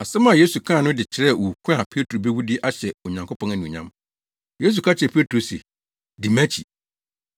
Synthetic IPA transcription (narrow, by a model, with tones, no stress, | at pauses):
a˨sɛ˦mã˨je˦su˨kʰã˦˨nʊ̃˦dɪ˨t͡ɕʰɪ˨ɾɛ˦˨wu˨kʰũ˦a˨pʰe˦tʰo˨be˦wu˦dɪ˦ʔa˦ɕɛ˨ɔ˨ɲã˨ŋkʰo˦pʰɔ̃˦næ˨nĩ˨ɲã̰˦m | je˦s̬u˨kʰa˦t͡ɕʰɪ˨ɛ˨pʰe˦tʰɾo˨sḛ˨ | di˨mæ̃˦t͡ɕʰḭ˨